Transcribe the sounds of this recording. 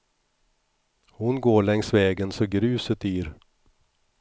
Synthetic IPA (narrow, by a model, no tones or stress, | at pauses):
hʊnɡoːɭɛŋsvɛːɡənsɔɡɾʉ̟ːsət̪yːɾ